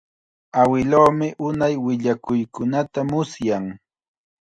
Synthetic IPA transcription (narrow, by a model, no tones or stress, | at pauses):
awɪloːmɪʔʊnajwɪʎakʊjkʊnat̪amʊsjaŋ